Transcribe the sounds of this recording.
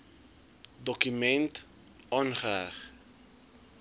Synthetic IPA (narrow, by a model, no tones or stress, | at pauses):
dɔkymɛnt | ʔɑːnχəæχ